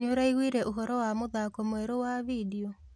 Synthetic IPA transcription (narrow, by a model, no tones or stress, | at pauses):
ɲoɾaiɣwiːɾɛʔoɦɔɾɔwamoðakomweɾowavidiɔ